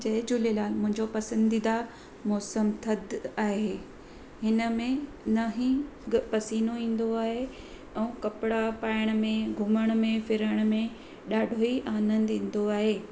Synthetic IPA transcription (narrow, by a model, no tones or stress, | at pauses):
d͡ʑɐd͡ʑʊlelaːlmʊ̃ɦɪ̃ɲd͡ʑopɐsə̃nd̪id̪a | mɔːsəmt̪ʰɐd̪aːɦeː | hɪnə̆mẽ | nɐɦĩpɐsiːnoĩːn̆d̪oaːɦe | ɛ̃ːkɐpɪɽapaːɪɽ̃̆mẽɡʱʊməɽ̃̆mẽfɪɾəɽ̃mẽ | ɗaːɖʱoiʔaːnə̃nd̪ĩːn̆d̪oaːɦeː